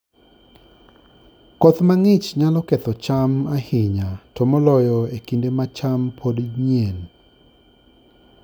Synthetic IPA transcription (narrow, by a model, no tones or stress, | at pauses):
kɔt̪maŋɪt͡ʃɲalɔkɛt̪ɔt͡ʃamahɪɲatɔmɔlɔjɔekindemat͡ʃampʰodɲen